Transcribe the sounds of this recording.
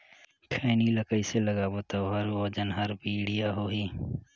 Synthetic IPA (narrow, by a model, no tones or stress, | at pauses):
kʰeːniləkəiseləɡaboːt̪aoɦəɾoːd͡ʒənɦəɾbiɽijaɦoːɦiː